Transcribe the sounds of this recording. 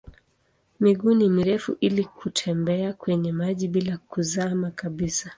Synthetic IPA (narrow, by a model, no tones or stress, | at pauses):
miɠunimiɾɛfuʔilikʰutʰɛmbɛakwɛɲɛmaʄiɓilakuzamakaɓisa